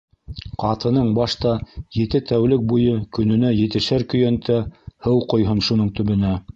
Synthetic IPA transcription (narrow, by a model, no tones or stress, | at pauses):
qɑt̪ɤ̆nɤɴbɑʃt̪ɑjɘ̆t̪ɘt̪æwlɘk̚bujɤkɵ̆nɵ̆næjɘ̆t̪ɘ̆ʃæɾkɵ̆jænt̪ʰæhɤwqŏjɦɤnʃunɤɴt̪ɵ̆βɵ̆næ